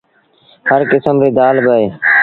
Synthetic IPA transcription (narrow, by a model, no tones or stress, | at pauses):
həɾkɪsəmɾeːd̪aːlbəɦeː